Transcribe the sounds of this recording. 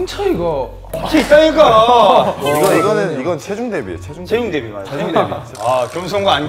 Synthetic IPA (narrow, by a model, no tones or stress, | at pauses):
ɯnt͡ɕʰʌiɡʌ | eit͈aiɡa | iɡʌiɡʌnɯniɡʌnt͡ɕʰed͡ʑuŋdebiet͡ɕʰed͡ʑuŋt͡ɕʰeindebimaeuŋdebi | akjʌms̬ʰoŋɡaan